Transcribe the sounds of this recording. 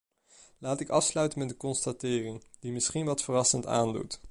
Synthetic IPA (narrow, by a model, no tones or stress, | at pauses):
laːtɪkɑfslœɥtənmɛtdəkɔnstatɪːrɪŋd̥imɪsχinʋɑtfərɑsənta̰ːndṵt